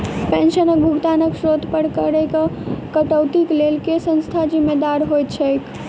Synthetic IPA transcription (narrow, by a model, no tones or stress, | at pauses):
pẽnʃənək̚bʱuɡt̪anəksɾod̪ʱpəɾkəɾɛkekəʈəwt̪iklelkesə̃nst̪ʰad͡ʒimːed̪aɾɦojt̪̚t͡ʃʰɛk